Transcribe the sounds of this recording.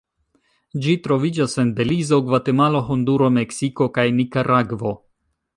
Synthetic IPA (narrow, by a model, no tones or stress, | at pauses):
d͡ʒitɾo̞vid͡ʒase̞nbe̞lizo̞ɡvate̞malo̞ɦonduɾo̞me̞ksiko̞kajnikaɾʔaɡvo̞